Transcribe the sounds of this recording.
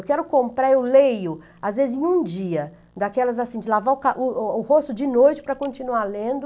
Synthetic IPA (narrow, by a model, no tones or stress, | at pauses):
wkɛɾʊkõmpɾaeʊwlejʊ | azvezɪzẽj̃ũd͡ʒiɐ | d̪akɛlɐzasĩd͡ʒɪlavaʊkaʔʊʊhost̪ʊd͡ʒɪnojt͡ʃɪ̥pɾɐkõnt͡ʃinualẽnd̪ʊ